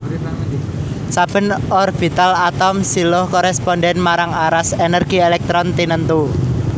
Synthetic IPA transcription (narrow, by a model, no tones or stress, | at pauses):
sab̥ə̤nɔrb̥i̤t̪alat̪ɔmsilɔhkɔɾɛspɔnɖɛnmaɾaŋaɾasenərɡ̥i̤elɛk̚t̪ɾɔnt̪inənt̪u